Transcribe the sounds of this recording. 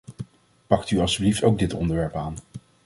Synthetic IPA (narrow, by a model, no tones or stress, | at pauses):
pɑktyɑlˠsyblifto̰wɡ̚dɪtɔ̰ndəɹʋɛɹpaːn